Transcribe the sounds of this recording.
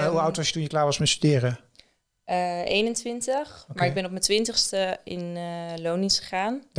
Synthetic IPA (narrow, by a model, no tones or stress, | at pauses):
ɦuawtʋɑʃjətunjəklaːɹʋɑsmɛstydɪːrə | ʔḛjnəntʋɪntəχmaaɹɪɡ̚bɛnɔpmətʋɪntəχstəɪnlownisχəχaːn